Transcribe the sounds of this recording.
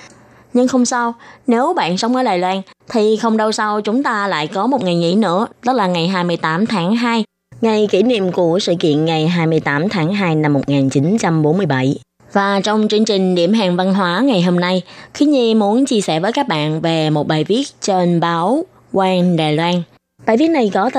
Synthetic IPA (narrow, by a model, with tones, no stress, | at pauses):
ɲɨ˧ŋxə˧wŋ͡msa˧wne˨˦wɓa̰ː˧˨nsə˨˦wŋ͡mʔəː˨˦jɗaː˨˩jlwaː˧nt̪ʰi˨˩xə˧wŋ͡mɗə˧wsa˧wt͡ɕʊ˨˦ŋ͡mt̪aː˧la̰ː˧˨jkɔ˨˦mo˨˩t̚ŋa˨˩jŋḭ˧˥nɨ̰˧˥ət̪ə˦˥laː˨˩ŋa˨˩jɦaː˧jmɨ˧əjt̪aː˨˦mt̪ʰaː˨˦ŋɦaː˧j | ŋa˧jki˧˩nḭ˧˨əmku˧˩əsɨ̰˧˨kḭ˧˨ənŋa˨˩jɦaː˧jmɨ˧əjt̪aː˨˦mt̪ʰaː˨˦ŋɦaː˧jna˧mːo˨˩t̚ŋaː˨˩nt͡ɕi˨˦nt͡ɕa˧mɓo˨˦nmɨ˧əjɓa˧˩j | vaː˨˩t͡ɕɔ˧wŋ͡mt͡ɕɨ˧əŋt͡ɕï˨˩ŋ̟ɗḭ˧˩əmɦaː˨˩ŋva˧nɦwaː˨˦ŋa˨˩jɦo˧mna˧jxi˨˦ɲi˧mu˨˦ənt͡ɕi˧əsɛ̰˧˩vəː˨˦jkaː˦˥k̚ɓa̰ː˧˨nve˨˩mo˨˩t̚ɓaː˨˩jvi˦˥ət̚t͡ɕe˧nɓaː˨˦w | kwaː˧nɗaː˨˩jlwaː˧n | ɓaː˧˨jvi˦˥t̚na˨˩jkɔ˨˦t̪